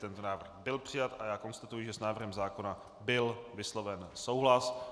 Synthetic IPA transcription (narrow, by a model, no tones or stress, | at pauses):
t̪ɛnt̪onaːvr̩xbɪlpr̥ɪjat̪ajaːko̞nst̪at̪ujɪʒɛsnaːvr̩ɦɛmzaːko̞na | bɪlvɪslo̞vɛnsowɦlas